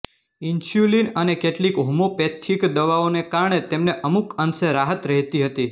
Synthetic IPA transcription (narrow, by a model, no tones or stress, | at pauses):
int͡ʃjulinənekeʈlikɦumopet̪ʰikd̪əʋaonekaɾɳet̪emneʔəmukənseɾaɦət̪ɾəɦt̪iɦət̪i